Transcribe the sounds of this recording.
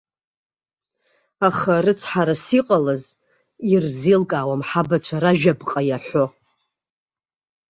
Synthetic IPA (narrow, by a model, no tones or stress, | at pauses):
aχarɨt͡sʰħaɾasiqʼalɨz | irzilkʼaːwamħabat͡ʃʷʰaɾaʒᶣabqʼajaħʷo